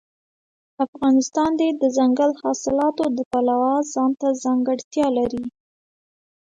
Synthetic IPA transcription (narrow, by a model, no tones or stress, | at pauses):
afɣɑnɪst̪ɑnd̪ed̪əzaŋɡalhɑsɪlɑt̪od̪əpalawɑzɑnt̪azɑŋɡəɽt̪jɑlaɾi